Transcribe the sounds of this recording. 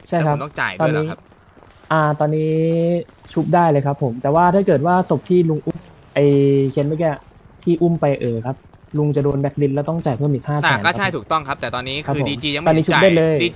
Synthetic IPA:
t͡ɕʰa˥˩jkʰa˦˥p̪ɔ˥˩ŋt͡ɕa̰ː˨˩jt̪ɔː˧nːiː˦˥˦ | ʔaː˧˩t̪ɔː˧nːiː˦˥ | t͡ɕʰu˦˥p̚daː˥˩jlɤː˧jkʰa˦˥pʰːo˩˦mt̪ɛː˨˩waː˥˩t̪ʰaː˥˩kɤː˨˩t̪̚waː˥˩so˨˩p̚t̪ʰiː˥˩lu˧ŋʔu˥˩m | ʔa˧jkʰe˦˧˥nma˥˩kɛː˧˩ | t̪ʰiː˥˩ʔu˥˩mpa˧jʔɤː˨˩kʰa˦˥p̚ | lu˧ŋt͡ɕa˨˩doː˧nbɛ˦˥k̚li˦˥lɛ˦˥wt̪ɔ˥˩ŋt͡ɕaː˨˩jpʰɯ˥˩ɐmiː˧k̪ʰaː˥˩sːaː˨˩˦kɔː˥˩˦t͡ɕʰa˥˩jt̪ʰuː˨˩t̪ɔ˥˩ŋk̚ʰt̪ɛː˨˩t̪ɔː˧nːiː˦˥kʰa˦˥˧pʰːiː˧mt͡ɕiː˧ja˧ŋɔ˧˩niː˦˥u˦˥˧daː˥˩jlɤː˧j

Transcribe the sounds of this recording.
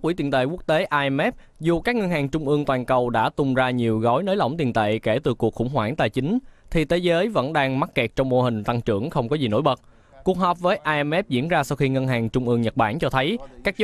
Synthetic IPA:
kwi˧˩˦t̪ḭ˨˩nt̪ḛ˧˨ku˦˥ək̚t̪e˨˦ʔaː˧ʔɛ˧mɛ˦˥p̚ | zu˨˩kaː˦˥k̚ŋə˧nhaː˨˩ŋt͡ɕʊ˧ŋ͡mʔɨ˧əŋt̪waː˨˩nkə˨˩wɗa̰ː˧˥t̪ʊ˨˩ŋ͡mzaː˧ɲi˨˩əwɣɔ˨˦jnəː˨˦jlə̰˧˩wŋ͡mt̪i˨˩ənt̪ḛ˧˨ke˧˩t̪ɨ˨˩kːu˨˩əkxʊ̰˧˥ŋ͡mhwaː˧˩ŋt̪a̰ː˨˩jt͡ɕï˨˦ŋ̟t̪ʰi˨˩t̪ʰe˨˦zəː˨˦jvə̰˧˥nɗaː˧ŋma˦˥t̚kɛ˨˩t̚t͡ɕɔ˧wŋ͡mmo˧ɦï˨˩ŋ̟t̪a˧ŋt͡ɕɨ̰˧˩əŋxə˧wŋ͡mkɔ˨˦zi˨˩no̰˧˥˦jɓə˨˩t̚ | ku˨˩ək̚ɦɔ˨˩p̚vəː˨˦jʔaː˧ʔɛ˧mɛ˦˥p̚zḭ˧˥ənzaː˧sa˧wxi˧ŋə˧nɦaː˨˩ŋt͡ɕʊ˧ŋ͡mʔɨ˧əŋɲə˨˩t̚ɓa̰ː˧˩nt͡ɕɔ˧t̪ʰə˨˦jkaː˦˥k̚t͡ɕ

